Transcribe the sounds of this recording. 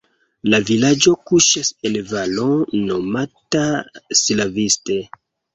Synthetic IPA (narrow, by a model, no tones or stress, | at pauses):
lavilad͡ʒo̞kuʃaselvalono̞matasilaviste